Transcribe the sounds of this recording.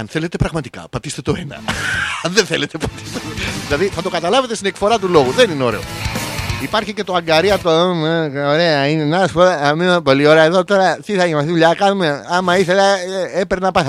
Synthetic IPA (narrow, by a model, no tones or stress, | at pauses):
ɐnθe̞let̪e̞pɾɐɣmɐt̪i̥kɐ̰pɐt̪ist̪et̪o̞enɐ̰ɐnðenθelet̪e̞pɐt̪i̥st̪et̪oðilɐðiθɐt̪o̞kɐt̪ɐlɐvet̪est̪inekfo̞ɾɐt̪ulo̞ɣuðenineo̞ɾe̞̰o̰ | ipɐɾçice̞t̪oɐŋɡɐɾiɐt̪omeoɾe̞ɐinenaɐspoðɐmimepo̞lio̞ɾeɐeðo̞t̪o̞ɾɐt̪iθɐʝimɐsθiðuʎɐkɐnume̞ɐmɐiθe̞lɐepeɾnɐpɐθɐ